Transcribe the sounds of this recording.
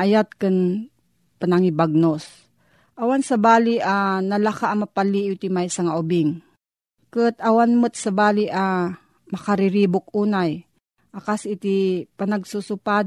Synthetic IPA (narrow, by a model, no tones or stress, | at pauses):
ajat̪̚kɨn | panaŋibaɡ̚nos | ʔawansɐbaːliʔanɐlakaʔːmɐpaliʔʊt̪ɪmajsɐŋaʔʊbɪŋ | kɨt̪ɐwanmɨt̪̚sɐbaːlɪʔa | mɐkaɾɪɾiːbʊk̚uːnaj | ʔakasɪt̪ipanɐɡsusʊpa